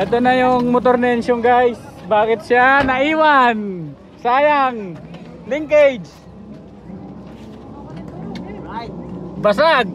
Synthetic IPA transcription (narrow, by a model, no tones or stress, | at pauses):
ʔɛt̪onajoŋmot̪̬oɾnɛɛnʃʊŋɡajsbaːkɪt̪̚ʃanɐʔiːwan | saːjaŋ | lɪŋked͡ʒ | basaɡ̚